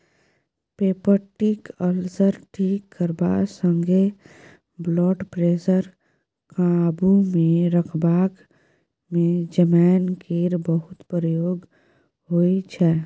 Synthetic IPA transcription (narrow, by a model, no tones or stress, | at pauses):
peːpəɾʈikəlsəɾʈʰiːkʰːəɾba̰sə̃ŋɡʱe | blɔːʈpɾeːsəɾ | kãbumẽɾəkʰbaːk | mẽd͡ʒəmɛːnkeːɾbəɦʊt̪pɾəjoːɡ | ɦoːit͡ʃʰɛː